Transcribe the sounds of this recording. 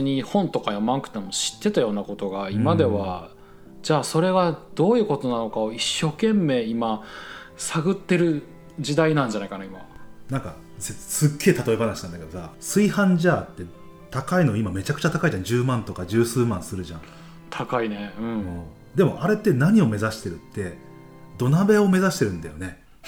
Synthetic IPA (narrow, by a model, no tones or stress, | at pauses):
ɲ̟ihõ̞nt̪o̞kajo̞mãnkɯ̥t̪emoɕi̥t̪ːe̞t̪ajo̞ːnako̞t̪o̞ɡaimad̪e̞βa | d͡ʑaːso̞ɾe̞ɡad̪̥o̞ːjɯ̟ːko̞t̪o̞nano̞kao̞iɕːo̞ːkẽ̞mːe̞ːima | saɡɯ̟t̪ːe̞ɾɯ̟ | d͡ʑid̪ainãɲ̟d͡ʑanaikanaima̰nãŋka | sesɨɡːe̞ːt̪at̪o̞e̞banaɕinãnd̪aked̪osasɨihãɲd͡ʑaːt̪ːe̞ | t̪akaino̞imame̞t͡ɕakɯ̟̥t͡ɕat̪akaiʑãɲd͡ʑɨːmãnt̪o̞kad͡ʑɨːsɨːmãɰ̃sɨɾɯ̟ʑãŋ | t̪ʰakaineɯ̟̃ɴɯ̃ː | d̪e̞mo̞aɾe̞t̪ːe̞naɲ̟io̞me̞zaɕi̥t̪e̞ɾɯ̟t̪ːe̞ | d̪o̞nabe̞o̞me̞zaɕi̥t̪e̞ɾɯ̟̃nd̪ajo̞ne̞